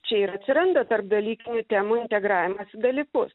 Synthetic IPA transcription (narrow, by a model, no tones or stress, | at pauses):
t͡ʃʲɛiɾɐt̪ʲsʲɪɾɐnd̪ɐt̪ɐrp̚d̪ɐlʲiːkʲɪnʲʊt̪ʲæːmʊɪnʲt̪ʲɛɡɾɑːʋʲɪmɐsɪd̪ɐlʲiːkʊs